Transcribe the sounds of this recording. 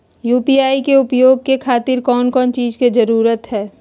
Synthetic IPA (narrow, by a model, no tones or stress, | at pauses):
juːpiaːikeʊpjoːɡ̚kekʰaːt̪ɪɾkɔːnkɔːnt͡ʃiːzkezɐɾuːɾət̪ɦɛː